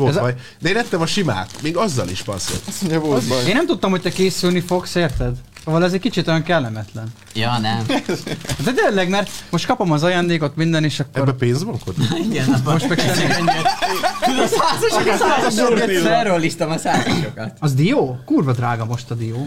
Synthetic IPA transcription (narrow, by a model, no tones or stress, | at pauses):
oɛzj | d̪ɛeːnɛt̪ːɛmɒʃima̰ːk̪meːɡɒzːɒ̰liʃpɒ̰rso̰soɲɛvoeːnːɛmt̪ut̪ːɒmho̞c̚t̪ɛkeːsylnifo̞kseːrt̪ɛd̪ | sovɒlɛzɛckit͡ʃit̪o̞jɒŋkɛlːɛmɛt̪lɛn | jɒːnɛm | at̪ɛd̪enlɛɡmɛrt̪mo̞ʃt̪̚kɒpo̞mɒzɒjaːnd̪eːko̞t̪mind̪ɛneːʃɒkːɛoɾbːɛpeːnzbɒŋkoiɡɛnmoʃmɛkɛɛɲɛ | saːzoʃsaːzoʃoɛɛɾolːiʃt̪ɒmɒsaːzoʃokɒt̪ɒzd̪ijoːkuːrbɒd̪raːɡɒmo̞ʃt̪ɒd̪ioː